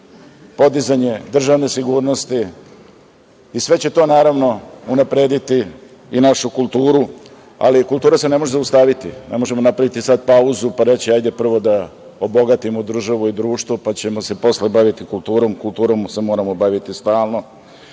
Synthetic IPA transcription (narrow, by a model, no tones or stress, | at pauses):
po̞d̪izaɲe̞d̪r̩ʒaʋne̞siɡuːɾno̞st̪i | isʋe̞t͡ɕe̞t̪o̞naːɾaʋno̞unapɾeːd̪it̪i | inaʃukulˠt̪uːɾu | a̰likult̪uːɾase̞ne̞mo̞ʒezaust̪aʋit̪ine̞mo̞ʒe̞mo̞napɾaʋit̪isad̪pauzupaɾet͡ɕiajd̪e̞pr̩ʋo̞d̪a | obo̞ɡat̪imod̪r̩ʒaʋuid̪ɾuːʃt̪ʋopat͡ɕe̞mo̞se̞po̞slebaʋit̪ikulˠt̪uːɾo̞mkult̪uːɾo̞msemo̞ːɾamobaʋit̪ist̪aːlˠno̞